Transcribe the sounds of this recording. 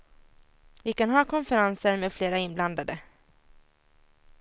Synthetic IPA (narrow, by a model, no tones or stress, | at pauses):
vɪkanɦɑːkʰɔnfɛɾansəɾmeːd̪fleːɾaɪnbland̪ad̪ə